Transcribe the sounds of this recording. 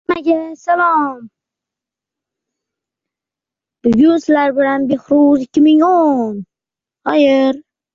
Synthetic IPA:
maɡʲasalˠɒm | b̥ʊɡʲʊnsɪlaɾbɪlanbehɾuzɪkʲʰːɪmɪŋon | hɒjɪɾ

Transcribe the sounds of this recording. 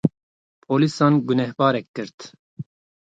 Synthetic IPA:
pʰoːlisɑːnɡunɛhbɑːɾɛkːɨɾt̪

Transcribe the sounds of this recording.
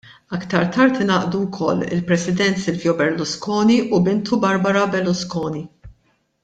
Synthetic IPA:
ɐkt̪ɐɾt̪ʰɐɾt̪ɪnɐːʔd̪uwkʰɔlːɪ̰lpɾɛsɪd̪ɛnt̪sɪlvjɔbɛɾlʊskɔːniʔubɪnt̪ubɐɾbɐɾɐbɛlːʊskɔːni

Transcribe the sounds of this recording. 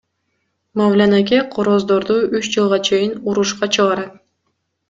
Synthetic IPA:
mavlʲanakʲeqʰoɾozd̪oɾd̪uyt͡ʃd͡ʒɯlˠʁɑt͡ʃʰe̞jinuɾuʃqɑt͡ʃʰɯʁɑɾɑt̪̚

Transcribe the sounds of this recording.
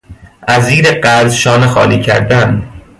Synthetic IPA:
ʔæziːɾeɢæɾzʃɒːnexɒ̰ːliːcʰæ̰ɾd̪ænd̪

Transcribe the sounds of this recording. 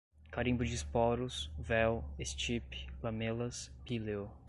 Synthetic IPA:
kaɾĩbʊd͡ʒispɔɾʊsvɛwest͡ʃiplɐmelɐspilew

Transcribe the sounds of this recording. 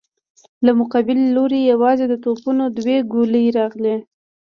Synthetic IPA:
lamʊqɑbɪlːoɾejawɑzed̪ət̪opunod̪weɡoləjɾɑɣle

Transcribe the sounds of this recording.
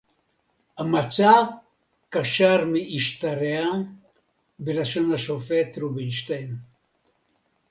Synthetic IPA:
amat͡sa | kaʃaɾmiʔiʃt̪aɾea | belaʃonaʃofet̪ɾubiiʃt̪en

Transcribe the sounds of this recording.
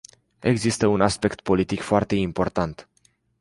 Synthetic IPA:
e̞ɡzist̪əunaspe̞kt̪̚po̞lit̪ikfoart̪e̞impo̞rt̪ant̪

